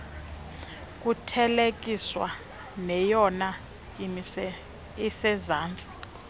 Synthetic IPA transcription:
k̬ʼutʰɛlek̬ʼiswa̰ | nɛjɔna | isɛzaːnt͡sʼi̥

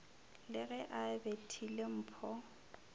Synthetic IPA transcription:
lɪɣɛʔabetʰilem̩ːpʰɔ

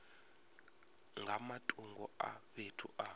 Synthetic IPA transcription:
ŋɡʱamatʼuŋɡɔa̰βetʰṵʔa

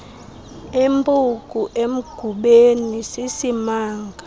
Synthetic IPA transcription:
embʼukʼuʔem̩ɡ̥ʱuɓenisisimaːŋɡʱa

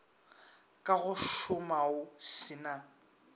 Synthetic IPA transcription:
kʼaɣʊʃʊmaʊsɪna

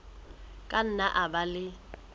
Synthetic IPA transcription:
kʼan̩naʔabalɪ

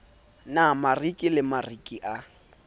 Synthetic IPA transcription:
namarikʼilɪmarikʼiʔa

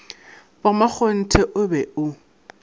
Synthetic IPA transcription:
bamak͡xʰon̩tʰɛʔʊbɛʔʊ

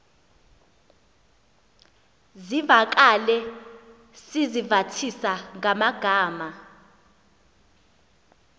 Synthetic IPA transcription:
zivak̬alɛ | sizivatʰisaŋamaɡ̥ʱaːma

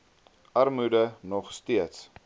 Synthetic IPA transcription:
ʔɐrmudənɔχstiəts

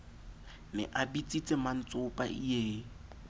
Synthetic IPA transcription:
nɛ̰ʔabit͡sʼit͡sʼɪman̩t͡sʼʊpʼa̰ʔieː

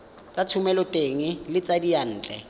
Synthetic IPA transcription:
t͡sʼat͡sʰʊmɛlɔtʼeːŋɪlɪt͡sʼadijan̩ːt͡ɬʼɛ̰

